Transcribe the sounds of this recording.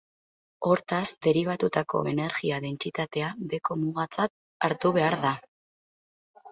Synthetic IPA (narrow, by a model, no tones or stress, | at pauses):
o̞ɾt̪asd̪e̞ɾiβ̞at̪ut̪ako̞̰e̞ne̞ɾɣiaðe̞nt͡sit̪at̪e̞abe̞ko̞muɣat͡sat̚ | aɾt̪uβe̞aɾða